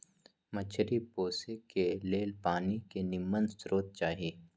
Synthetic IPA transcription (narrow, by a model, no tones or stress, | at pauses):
mɐt͡ʃʰəɾipoːsekeleːlpaːnikenɪmːənsɾoːt̪̚t͡ʃaːɦieː